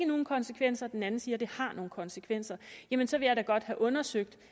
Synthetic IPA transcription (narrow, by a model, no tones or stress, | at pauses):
ɡəno̝ːn̩kʰɒ̽nsə̥kʰʋen̰sɐd̥enænn̩siːɐd̥e̝hɑ̈no̝ːn̩kʰɒ̽nsəkʰʋen̰sɐjæmənsɒ̽ʋe̝jɑ̈ɪɾæɡ̥ɒ̽d̥hæʔɔ̽nɐsøɡ̥̚d̥